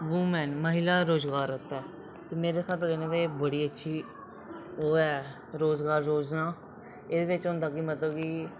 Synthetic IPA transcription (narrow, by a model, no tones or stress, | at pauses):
ʋuːmɛ̃ːnməɦɪlaːɾoːzɡaːɾət̪ːɛː | t̪eːmeːɾeːsaːʈːɾeːneːʋ̪eːbəɽiːətːʃʰiː | oːɛː | ɾoːzɡaːɾːoːznãː | eːd̪eːʋɪt͡ʃɦʊ̃nd̪aːkimət̪ləbki